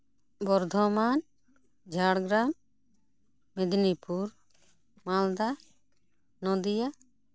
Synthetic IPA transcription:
bɔɾd̪ʱɔman | d͡ʒʱaɽɡɾam | ɛd̪nipuɾ | mald̪a | nɔ̃d̪ija

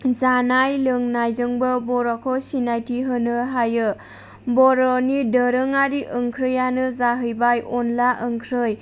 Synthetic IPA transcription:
zanajlɯŋnajzɯŋbɯbɔɾakʰɔsinajtiɦɯnɯɦajɯ | bɔɾɔnidəɾɯŋaɾiʔəŋkʰɾɯjanɯzaɦɯjbajɔnlaʔəŋkʰɾɯj

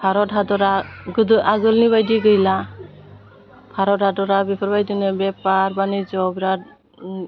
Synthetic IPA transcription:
pʰaɾɔtɦadɔɾaɡɯdʔaɡɯlniβajdiɡɯjla | pʰaɾɔt̚hadɔɾabipʰɔɾbajdinɯbɛpaɾbanizɔbɾa

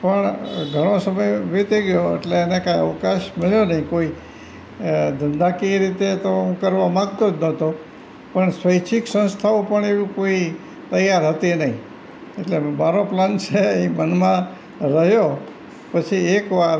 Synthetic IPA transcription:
pəɳɡʱəɽ̃osəməjʋit̪eɡjoḛʈleːnekãjəʋkaʃmeɭjonəɦĩkoi | d̪ʱənd̪akiɾit̪et̪oũkəɾʋãmãɡ̚t̪od͡ʒnət̪o | pəɳsʋəjt͡ʃʰiksə̃nst̪ʰaopəɳeʋĩkoi | t̪əjaɾɦət̪inəɦĩ | eʈlemaɾoplant͡ʃʰeimənmã | ɾəɦjo | pət͡ʃʰiekʋaɾ

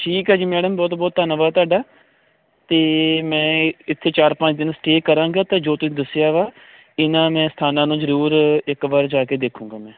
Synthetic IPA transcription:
ʈʰiːkɦaːd͡ʒiːmɛːɖəmbɔːt̪bɔːt̪ːənʋaːt̪ʊaːɖaː | t̪eːmɛ̃ːɪt̪ʰːeːt͡ʃaːɾpə̃ɲt͡ʃd̪ɪnsʈeːkəɾãːŋɡaːt̪ãːd͡ʒoːt̪ʊsĩːd̪əsɪjaːʋaː | ɪnãːmɛ̃ːsə̥t̪ʰaːnãːnũːzəɾuːɾɪkʋaːɾd͡ʒaːkeːd̪eːkʰũːŋ̆ɡaːmɛ̃ː

